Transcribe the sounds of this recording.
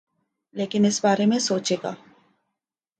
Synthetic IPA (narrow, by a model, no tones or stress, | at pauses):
leːkinɪsbaːɾemẽsoːt͡ʃeɡa̰ː